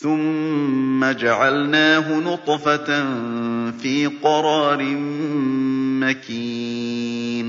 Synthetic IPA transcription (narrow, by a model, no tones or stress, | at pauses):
θʊmː | ad͡ʒaʕalnaːɦʊnʊt̪ˤfatnfiːqɑɾˤɑːɾɪm | makiː | n